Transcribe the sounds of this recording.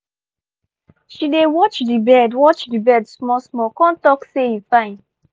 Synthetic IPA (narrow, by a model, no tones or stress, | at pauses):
ʃidewɔt͡ʃdibɛdwɔt͡ʃdibɛdsmɔsmɔkɔ̃ntɔksejifãɪ̃n